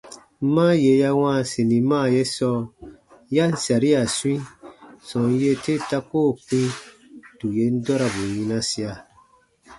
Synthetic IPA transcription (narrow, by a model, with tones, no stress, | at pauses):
m̩˦mãː˦je˨˦ja˧wã˦˨sĩ˨nĩ˨mãː˦˨je˦sɔ˧ | ja˦n̩˦sa˨ɾi˦a˨sũ˦ĩ˦sɔ̃˨n˦je˧te˦ta˧koː˦˨k͡pĩ˦ | du˨je˨˦n̩˦dɔ˦ɾa˨bu˨jĩ˧nã˧si˧a˨